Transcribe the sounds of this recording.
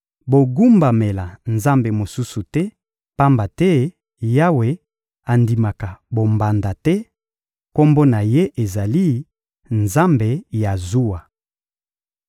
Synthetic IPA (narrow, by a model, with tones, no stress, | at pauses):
bo˨ɡu˦mba˨me˨la˨nza˦mbe˨mo˨su˦su˨tɛ˦ | pa˦mba˨tɛ˦ | ja˦we˨ | a˨ndi˨ma˨ka˨bo˨mba˨nda˨tɛ˦ | ko˦mbo˦na˨je˦ʔe˨za˨li˦ | nza˦mbe˨ja˨zu˦wa˨